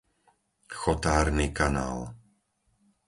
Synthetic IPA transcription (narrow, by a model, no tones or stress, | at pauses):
xɔt̪aːɾnikana̰ːl